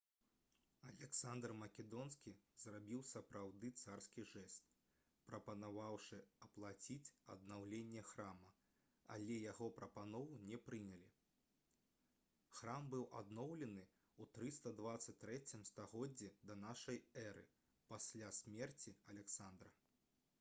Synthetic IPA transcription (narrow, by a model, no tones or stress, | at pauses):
ɐlʲɛksand̪rmɐkʲɛd̪ɔnskʲizrabʲiwsɐpɾawd̪ɨt̪sarskʲiʐɛst̪ | pɾɐpɐnavawʂɨɐplˠat͡sʲit͡sʲɐ̰d̪nawlʲenʲːɛxɾamɐ | ɐ̰lʲɛjaɣɔpɾɐpanɔvunʲɛpɾɨnʲɛlʲi | xɾambɨwʔa̰d̪nɔwlʲɛnɨ | ut̪ɾɨst̪ɐd̪vat̪sɐt͡sʲt̪ːɾɛt͡sʲimst̪aɣɔd͡zʲːid̪ɐnaʂɐjɛɾɨ̰ | pasʲlʲasʲmʲɛrt͡sʲiɐlʲɛksand̪ɾɐ